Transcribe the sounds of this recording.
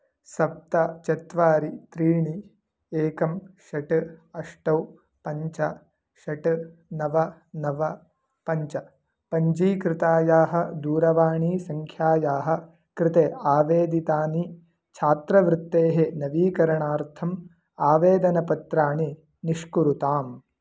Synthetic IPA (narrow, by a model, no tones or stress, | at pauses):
sɐp̚t̪ɐt͡ʃɐt̪ʋaːɾit̪ɾiːɳi | eːkɐmʃɐʈɨɐʂʈɐw | pɐɲt͡ʃɐ | ʃɐʈnɐʋɐ | nɐʋɐ | pɐɲt͡ʃɐ | pɐɲd͡ʒiːkɾɪt̪aːjaːɦɐ̆d̪uːɾɐʋaːɳiːsɐŋkʰjaːjaːɦɐ̆ | kɾɪt̪eːaːʋeːd̪it̪aːni | t͡ʃʰaːt̪ɾɐʋɾut̪ːeːɦenɐʋiːkɐɾɐɳaːɾt̪ʰɐm | aːʋeːd̪ɐnɐpɐt̪ɾaːɳi | niʂkuɾut̪aːm